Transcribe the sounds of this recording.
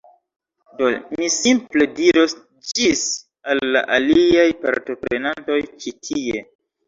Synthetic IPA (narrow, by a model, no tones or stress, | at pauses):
domisimple̞diɾos | d͡ʒis | alːa̰ʔaliajpa̰ɾto̞pɾe̞nanto̞jt͡ʃitʰie̞